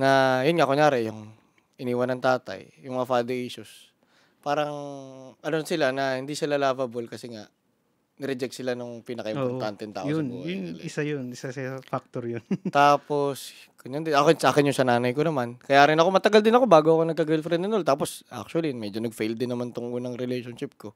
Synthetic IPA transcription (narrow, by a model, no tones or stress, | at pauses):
nɐjʊnŋaʔkʊŋjaːɾɛjʊŋ | ʔɪniːwɐnɐŋt̪aːt̪ɐ̰jːʊŋmɐŋafad̪ɪʔiːsʊs | paːɾɐŋʔɐnonsɪlanɐhɪnd̪isɪlalaːvɐbolkɐsɛŋa̰ʔ | nɪɾɛd͡ʒɛk̚t̪sɪlanʊŋpiːnɐkɐʔɪmmoɾt̪ant̪ɛnt̪a̰ːʔjʊbṵːhɐjʊɪsajʊnɪsasɐfak̚t̪oɾjʊnt̪aːpo̞s | kʊnjɐnd̪ɪɐkonsaːkɪnjʊŋsɐnaːnɐjkonɐmankɐjaːɾɪnɐko̞mɐt̪ɐɡald̪ɪnɐko̞baːɡoɐkonɐɡ̚kɐɡɛlfɾɛnɐnolt̪aːposʔa̰k̚t͡ʃʊɐlimɛd͡ʒonɐɡ̚fejld̪ɪnːɐmant̪ʊŋʔonɐŋɾɪlejʃonʃɪp̚ko̞